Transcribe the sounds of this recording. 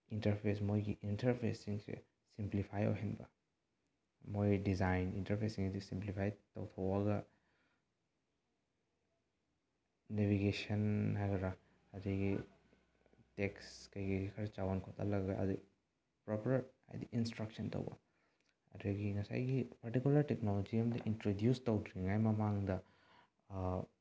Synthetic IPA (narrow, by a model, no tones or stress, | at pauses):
intɐɾpʰesmojɡiʔintɐɾpʰesiŋsḛ | simplipʰajo̰wɦinbɐ̰ | mojdizajnintɐɾpʰesiŋadisimplipʰajtɐ̰wtʰɐwaɡa | nebiɡesɐnɦajkʰɐɾa | ɐdiɡi | tekskɐjɡiɡikʰɐɾɐt͡ʃawɐnkʰɔt̪ʰa̰lɐɡaʔɐ̰d̪i | pɾɔpɾɐɾa̰jd̪iʔinsʈɾɐkʃɐnt̪ʰɐ̰wba̰ | ɐ̰ɾiɡiŋɐsa̰jɡipɐɾʈikulɐɾʈeknolod͡ʒiɐmd̪ɐʔintɾodjust̪ɐwtʰɾiŋajmɐmaŋd̪ɐ